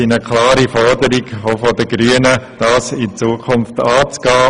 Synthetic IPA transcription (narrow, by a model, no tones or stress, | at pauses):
inəkʰlɑːɾifɔɾdəɾɪɡofɔdəɡɾyːənəd̥ɑːsɪt͡suəkʰʊnftɑːt͡sɡ̥aː